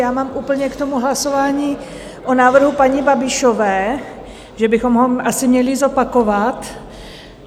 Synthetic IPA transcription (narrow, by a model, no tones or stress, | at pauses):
jaːmaːmʔuːpl̩ɲɛkt̪o̞muɦlaso̞vaːɲiː | ʔonaːvr̩ɦupaɲɪbabɪʃovɛː | ʒɛbɪxo̞mɦoʔasɪmɲɛlɪzo̞pako̞vat̪